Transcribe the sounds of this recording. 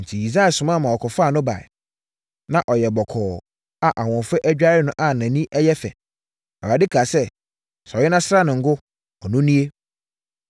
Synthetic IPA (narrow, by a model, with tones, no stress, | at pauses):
n̩˨tʰi˨i˨sɾa˦ɛ˨sʊ˨mã˦˨mã˨ɔ˨kʰɔ˨faː˦˨nʊ̃˦ba̰˨ɛ̰˨ | nã˦˨ʔɔ˨jɛ˨bɔ˨kʰɔː˨ | a˨ʔa˨wɔ̃˨fɛ˦ʔæ˦d͡ʑᶣa˦ɾɪ˦nʊ̃˦ʔa˦˨nã˨nĩ˦ʔɛ˦jɛ˦fɛ̰˨ | ɛ˨a˨dɪ˦kʰa˨sɛ˦ | sɔ˨ɪ˦nã˦sɾa˦nɪ̃˨ŋ̩˨ɡʊ˦ | ɔ˨nʊ̃˦nĩ˦e˦